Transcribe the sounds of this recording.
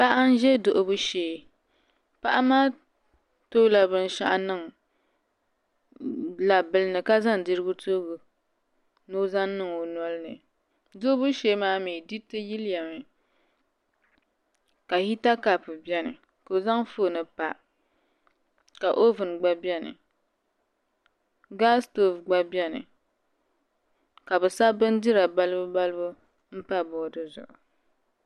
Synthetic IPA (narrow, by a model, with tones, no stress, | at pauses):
pa˦ʔa˦n̩˦ʒɛ˦do˨ʔo˦bu˦ʃeː˨˦ | pa˦ʔa˦maː˦ | to˦la˨bɨ˦n˦ʃa̰˦ʔa˦nɨ˦˨ŋ˨ | la˨bɨ˦lɨ˦nɨ˨ka˦za˦n˨dɨ˦ɾɨ˦ɡʊ˦to˦bu˨ | no˦za˦n˦nɨ˦ŋo˨nɔ˦lɨ˦nɨ˨ | do˦bu˦ʃe˦maː˦mi˨di˦tɨ˦ji˦lja˨mɨ˨ | ka˨hi˦ta˦ka˨pɨ˨bɛ˦nɨ̰˨ | ko˨za˦ŋfo˦˨nɨ˨pa̰˨ | ka˨ʔo˦vɨ˨n˨ɡ͡ba˦bɛ˦nɨ̰˨ | ɡa˦sto˨fɡ͡ba˦bjɛ˦nɨ̰˨ | ka˨bɨ˨sa˦bɨ˦n˦dɨ˦ɾa˨ba˦lɨ˦bʊ˦ba˦lɨ˦bʊ˦ | m̩˦pa˦bɔ˨dɨ˦zʊ̰˨ʔʊ˨